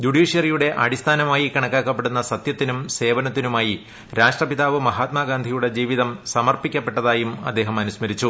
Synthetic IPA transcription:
d͡ʑuɽiːʂjɐrijuɽe̞ʔɐɽist̪ʰaːnɐmaːjikɐɳɐkːaːkːɐpːe̞ɽunːɐsɐt̪jɐt̪ːinumse̞ːʋɐnɐt̪ːinumaːji | ɾaːʂʈrɐpiðaːʋɨmɐɦaːt̪maːɡaːnd̪ʱijuɽe̞d͡ʑiːʋiðɐmsɐmɐrpikʲːɐpːe̞ʈːɐðaːjumɐ̰d̪ːe̞ːɦɐmɐnusmɐɾit͡ɕːu

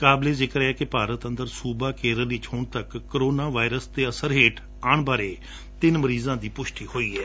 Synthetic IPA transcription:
kaːbled͡ʒeːkəɾɛːkepaːɾət̪ə̃nd̪əɾsuːbakeːɾəliːt͡ʃʰoːɳ̃t̪əkːəɾoːnaːʋaːɪɾəst̪eɐsəɾɦeːʈʰ | aːɳ̃baːɾe | t̪ɪnməɾiːzãːd̪iːpʊʃʈihoːiːɛː

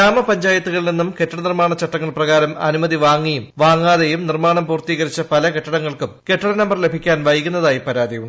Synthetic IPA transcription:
aːmɐpɐɲd͡ʑaːjɐt̪ːuɣɐɭilninːumkeʈːɐɽɐnirmaːɳɐt͡ɕːɐʈːɐŋːɐɭprɐɣaːɾɐmɐ̰numɐðiʋaːŋːijumʋaːŋːaːðejumnirmaːɳɐmpuːrt̪iːɣɐɾit͡ɕːɐpɐlɐke̞ʈːɐɽɐŋːɐɭkumke̞ʈːɐɽɐnɐmbɐrle̞bʱikʲːaːnʋɐjkunːɐðaːjipɐɾaːd̪ʱijuɳːɖ

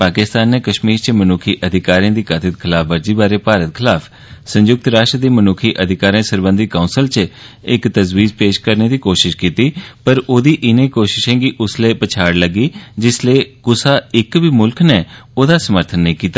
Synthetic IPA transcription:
paːkɪst̪aːnːeːkəʃmiːɾt͡ʃəmənuːkʰiːʔəd̪ʱɪkaːɾiãːd̪iːkat̪ʰɪt̪̚kʰɪlaːfʰʋəɾd͡ʒiːbaːɾeːpaːɾət̪kʰɪlaːpʰ | sə̃ɲd͡ʒʊk̚t̪ɾaːʃʈɾd̪eːmənʊːkʰiːʔəd̪ʱɪkaːɾiãːsəɾbə̃nd̪ikaunsəlt͡ʃə | ɪkt̪əzwiːzpeːʃkəɾneːd̪iːkoːʃɪʃkiːt̪iːpəɾoːd̪iːʔɪnẽːkoːʃɪʃɛ̃ːɡiʔʊsleːpət͡ʃʰaːɽləɡiːd͡ʒɪsleːkʊsaːɪkbiːmʊlkneːoːd̪aːsəməɾt̪ʰənːẽĩːkiːt̪aː

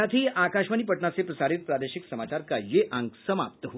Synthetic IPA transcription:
at̪ʰiːakaɕʋanipəʈɳat͡sepɾəsaɾit̪̚pɾad̪əɕiksəmat͡ɕaɾkajeʔãŋɡsəma̰p̚t̪əɦo

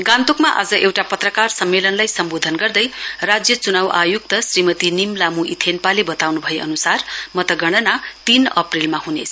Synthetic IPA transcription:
ɡãnt̪ukmaʔa̰d͡zʌʔewʈapʌt̪rʌkarsʌmːelʌnlajsʌmbod̪ʱʌnɡʌrd̪ʌjrad͡zjʌt͡sunawʔajuk̚t̪ʌsrimʌt̪inimlamuʔit̪ʰenpalebʌt̪awnubʱʌeʌnusarmʌt̪ʌɡʌɽ̃ʌnat̪inʌ̰prilmahunet͡sʰ

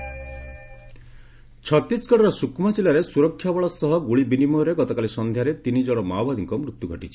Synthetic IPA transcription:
t͡ʃʰɔt̪isɡɔʈɔɾɔsukmat͡ʃilaɾesuɾɔkʰːjabɔɭɔsɔɦɔɡuɭibinimɔɾeɡɔt̪ɔkalisɔnd̪ʱjaɾet̪inid͡ʒɔɽ̃ɔmawbad̪iŋkɔmɾut̪juɡʱɔʈit͡ʃʰi̥

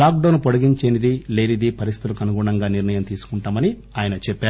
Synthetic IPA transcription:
aːk̚ɖoːnpoɽiɡiɲt͡ʃeːnid̪ile̞ːɾid̪ipɐɾisi̥t̪ulukɐnuɡuːɳɐŋɡaːniɾnɐjɐmt̪iːsu̥kuɳʈaːmɐni | aːjɐnɐt͡ʃɛpːaː

